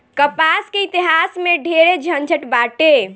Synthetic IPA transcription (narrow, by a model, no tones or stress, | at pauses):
kəpaskeit̪iɦasmeɖʱeɾed͡ʒʱənd͡ʒʱəʈbaʈe